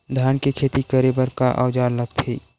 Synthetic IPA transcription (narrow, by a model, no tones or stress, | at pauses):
d̪ʱjaːnkekʰeːt̪ikəɾeːbəɾkaʔa̰ːd͡ʒaːllɐɡ̚t̪ʰḛː